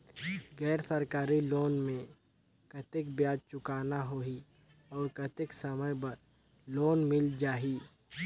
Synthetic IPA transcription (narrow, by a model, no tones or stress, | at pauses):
ɡɛːɾsɐɾkaːɾiloːnmẽ | kɐt̪ɪkbjaːd͡ʒt͡ʃʊkaːnaɦoi | ɔːɾkɐt̪ɪksɐməjbɐɾ | loːnmɪld͡ʒaːɦi